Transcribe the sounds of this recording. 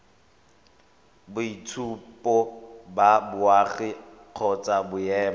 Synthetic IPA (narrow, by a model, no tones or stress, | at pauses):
bʊitʰupʼɔbabʊaχɪ | q͡χʰɔt͡sʼabʊjɛːma